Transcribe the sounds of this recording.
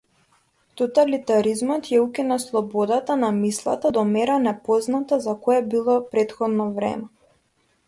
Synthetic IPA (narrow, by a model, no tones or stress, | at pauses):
t̪ɔt̪alit̪aɾizmɔt̪jaukinaslˠɔbɔd̪at̪anamislˠa̰t̪ad̪ɔmɛɾanɛpɔznat̪azakɔjɛbilˠɔpɾɛt̪xɔd̪nɔvɾɛ̰mɛ